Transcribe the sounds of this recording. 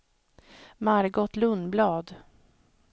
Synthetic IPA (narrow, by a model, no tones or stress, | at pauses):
maɾɡɔt̪lɵnblɑːd̪